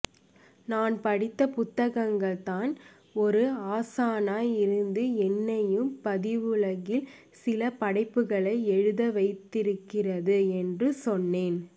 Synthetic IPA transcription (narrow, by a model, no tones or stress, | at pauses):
naːnpɐɽɪt̪ːɐpʊt̪ːɐɣɐŋɡɐɭt̪aːn | ɔɾɯaːsaːnaːjɪɾɯnd̪ɯɛnːɐjɯmpɐðɪʋɯɭɐɣɪl | sɪlɐpɐɽɐɪpːɯɣɐɭɐɪɛɻɯðɐʋɐɪt̪ːɪɾɯkːɪrɐðɯɛndrɯsɔnːeːn